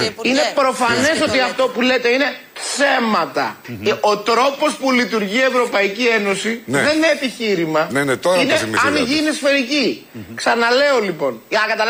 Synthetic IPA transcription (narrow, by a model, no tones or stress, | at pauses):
ine̞pɾo̞fɐne̞so̞t̪iɐft̪o̞pulet̪eine̞ | θe̞mɐt̪ɐ̰o̞t̪ɾo̞po̞spulit̪uɾʝie̞vɾo̞pɐicie̞no̞sinðenineːpiçiɾimɐnenet̪oineɐnʝinisfe̞ɾici | ksɐnɐle̞o̞lipo̞nʝɐnɐkɐt̪ɐl